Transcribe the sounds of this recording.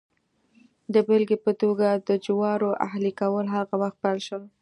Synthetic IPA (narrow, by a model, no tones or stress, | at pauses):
d̪əbelɡepət̪oɡad̪əd͡ʒwɑɾoʔa̰ɦlikawəlɦaɣawaxt̪̚pajlʃəl